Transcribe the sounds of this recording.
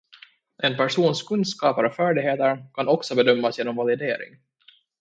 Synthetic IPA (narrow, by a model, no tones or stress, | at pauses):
ʔɛnpæʂuːnskʰɵnd̪skɑːpaɾɔfæːɖɪɡheːt̪əɾkʰanɔksɔbɛd̪œmːasjeːnɔmvalɪd̪eːɾɪ̰ŋ